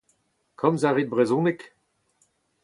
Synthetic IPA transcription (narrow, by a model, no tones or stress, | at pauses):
kʰɔmzaʁit̪̚bʁɛzɔ̃ːnɪk